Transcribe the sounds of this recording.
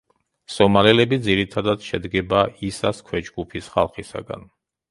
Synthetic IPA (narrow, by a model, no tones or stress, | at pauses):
sɔmaɾɛlɛbid̪ziɾit̪ʰad̪ad̪̥ʃɛd̪ɡɛbaisaskʰwɛd͡ʒɡupʰisχa̰lˠχisa̰ɡa̰n